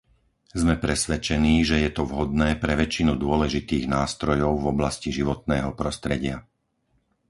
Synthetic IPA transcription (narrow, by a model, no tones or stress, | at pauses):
zmɛpɾɛsʋɛt͡ʃɛniːʒɛjɛt̪ɔvɦɔd̪̚nɛːpɾɛʋɛt͡ʃinud̪ʊɔlɛʒit̪iːɣnaːst̪ɾɔjɔʊvɔblasciʒiʋɔt̪̚nɛːɦɔpɾɔst̪ɾɛɟɪa